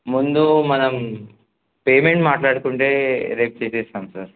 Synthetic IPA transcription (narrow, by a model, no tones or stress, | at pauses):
mund̪umɐnɐm | peːme̞ɳʈmaːʈlaːɽukuɳʈe̞ːɾeːp̚t͡ʃeːseːsaːmsaːɾ